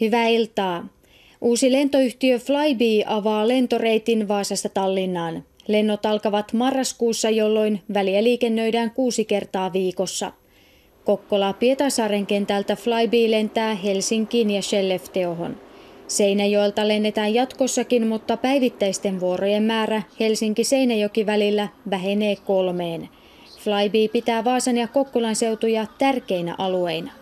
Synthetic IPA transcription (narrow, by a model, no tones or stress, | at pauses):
hyʋæːilt̪ɑː | ʔuːsile̞nt̪o̞yht̪iøflɑjbiːʔɑʋɑːle̞nt̪o̞re̞jt̪inʋɑːsɑst̪ɑt̪ɑlːinːɑːnle̞nːo̞t̪ɑlkɑʋɑt̪mɑrːɑskuːsːɑjo̞lːo̞jnʋæliæliːke̞nːø̞jdæːŋkuːsike̞rt̪ɑːʋiːko̞sːɑ̰ | ko̞kːolɑpiet̪ɑsɑːɾe̞ŋk̟e̞nt̪ælt̪æflɑjbiːle̞nt̪æːɦe̞lsiŋkiːnjɑʃe̞lːeft̪e̞oɦo̞̰nse̞jnæjo̞elt̪ɑle̞nːe̞t̪æːjjɑt̪ko̞sːɑkinmut̪ːɑpæjʋit̪ːæjst̪e̞nʋuo̞ro̞je̞mːæːɾæhe̞lsiŋkise̞jnæjo̞kiʋælilːæʋæɦe̞ne̞ːko̞lme̞ːn | flɑjbiːpit̪æːʋɑːsɑnjɑkːo̞kːolɑnse̞wt̪ujɑt̪ærke̞jnæ̰ʔɑlue̞jnɑ